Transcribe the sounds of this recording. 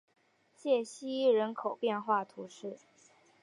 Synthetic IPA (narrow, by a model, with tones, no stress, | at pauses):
t͡ɕjɛ˥˩ɕi˥i˥˩ɻə˧˥nkʰo˨˩ʊpjɛ˥˧nxwa˥˩t̪ʰu˧˥ʂɻ̩˥˩